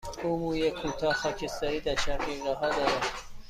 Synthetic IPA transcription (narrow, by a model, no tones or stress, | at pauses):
uːmuːjekʰːuːt̪ʰɒːhxɒːcʰest̪æɾiːd̪æɾʃæɾɡiɡɑɦɒːd̪ɒːɾæd̪̥